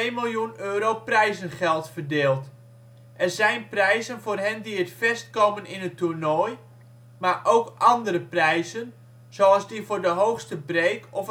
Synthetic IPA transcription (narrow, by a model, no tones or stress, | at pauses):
ejmilˠjunøːɾowprɛjzənχɛlˠtfərdeːlˠt | ʔɛrzɛjnprɛjzənvoːrɦɛndiətfɛst̚kowmənɪnəturnɔj | marʔowkʔɑndəɾəprɛjzən | z̥oɑlˠzdivoːrdəɦowxstəbreːkʰɔf